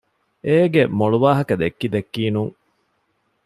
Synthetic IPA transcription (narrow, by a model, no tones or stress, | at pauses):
eːɡemoɭuʋaːɦɐkɐd̪ekːid̪ekːiːnuŋ